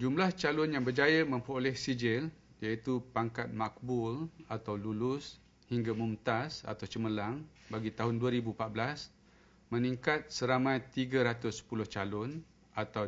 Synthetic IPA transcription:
d͡ʒumlaht͡ʃalʊnjaŋbərd͡ʒajamə̃mpɾolɛhsid͡ʒɪljait̪upaŋkat̪̚mak̚bʊlat̪awlulʊs | hiŋɡamumt̪asa̰t̪awt͡ʃəməlaŋ | baɡit̪aɦʊnduaɾibupat̪̚blas | mə̃niŋkat̪̚səɾamãjt̪iɡaɾat̪ʊsːə̥pulʊht͡ʃalʊn | at̪aw

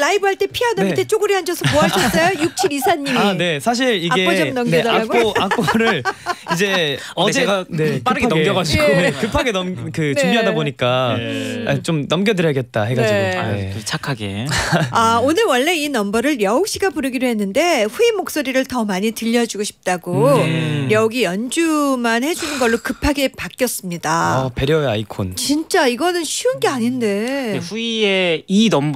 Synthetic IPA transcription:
laibɯɦaɭt͈e̞pʰianʌmitʰet͡ɕ͈oɡɯɾiɦand͡ʑʌsʰʌmoaɕʰʌs͈ʌjojuk̚t͡ɕʰiɾisʰaɲːimaine̞sʰaɕ̬ʰiɾiɡe̞d͡ʑʌnʌmnjʌaɡoakk͈ʌɾɯɭid͡ʑe̞ | ʌd͡ʑeɡanep͈ʰaɾɯɡɡjʌɡad͡ʑiɡoekɯpʰaɡenʌmkɯnumbiɦadaboɲik͈a | a̰t͡ɕomnʌmɡjʌdɯɾjʌaɡe̞t̚t͈aheɡaio̰et͡ɕʰakʰaɡḛaonɯɭwʌɭːe̞inʌmbʌɾɯɭɾjʌok̚ɕ͈iɡapuɾɯɡidoɦe̞nːɯnde̞ɸuimok̚s͈oɾiɾɯɭtʌmaɲitɯʎːʌd͡ʑuɡoɕʰi̥p̚t͈aɡo | ɾjʌoɡijʌnd͡ʑumanhe̞d͡ʑunɯnɡʌɭːokɯpʰaɡe̞pak͈jʌs͈ɯmɲidaʌpe̞ɾjʌeaikʰont͡ɕint͡ɕ͈aiɡʌnɯnɕʰuɯnɡe̞aɲinde̞eɸuieinʌm

